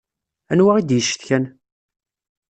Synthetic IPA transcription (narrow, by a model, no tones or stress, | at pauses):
ænwæʁid̪jəʃːə̥θçæn